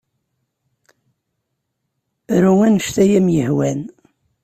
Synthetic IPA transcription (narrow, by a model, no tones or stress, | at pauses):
ɾuŋænəʃt̪æjæmjəhwæn